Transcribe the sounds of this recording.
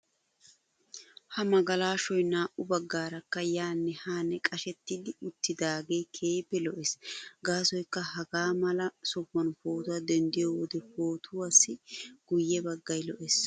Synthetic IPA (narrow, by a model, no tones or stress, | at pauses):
hɐmɐɡɐlaːʃɔjnaːʔʊbɐɡːaːɾɐkːɐjaːnːɛhaːnːɛkʼɐʃɛt̪ːɪd̪ɪʊt̪ːɪd̪aːɡejkʰeːjbɛlɔʔɛsɡaːsɔjkːɐhɐɡaːmɐlɐsɔfːɐnfoːt̪ɐd̪ɛnd̪ɪjɔwɔd̪ɛfoːt̪ʰʊwɐsːɪɡ̥ʊjːɛbɐɡːɐjlɔʔɛs